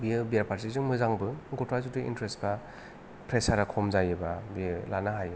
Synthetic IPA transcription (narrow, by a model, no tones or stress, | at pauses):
biɯbijaɾpʰaɾtizuŋmɯzaŋbɯɡɔtɾazutɯḭntɾesba | pʰɾesaɾakʰɔmzajɯbabilanaɦaj